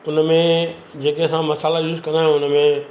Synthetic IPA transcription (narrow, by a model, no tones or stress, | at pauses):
ʊnmẽ | d͡ʑeːkesãmɐsaːlajuːzkɐ̃nd̪aɦɪĩʊnəmẽ